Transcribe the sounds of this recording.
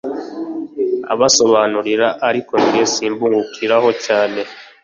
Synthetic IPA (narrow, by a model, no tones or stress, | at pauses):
a̰βaso̞βaːnuɾiɾaʔaɾiko̞niɾesiːmbuːŋɡukʰiɾaho̞caːne̞